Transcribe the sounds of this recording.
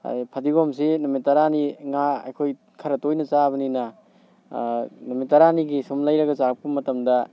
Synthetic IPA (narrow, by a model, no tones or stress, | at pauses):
ipʰɐdiɡoms̬inumitɐɾaniŋaɐ̰jkʰoj | kʰɐɾɐtojnɐt͡ʃaβɐninɐ | numitːɐɾaniɡisumlɐjɾɐɡɐt͡ʃaɾɐp̚kumːɐtɐmdɐ